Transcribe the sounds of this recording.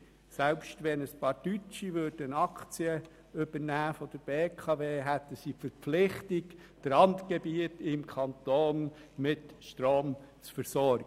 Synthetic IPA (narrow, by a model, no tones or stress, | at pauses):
sɛlpʃtʋɛnəspɑːɾdyt͡ʃiʋød̥ənɑkt͡siə | ʏb̥əɾnæːfɔd̪̥əɾb̥eːkʰɑʋeːɦæt̪əsifəɾpflɪχtɪk | d̥əɾɑntɡ̥ebiətɪmkʰɑnt̪oːnmɪtʃtɾoːmt͡sfəɾsɔɾɡə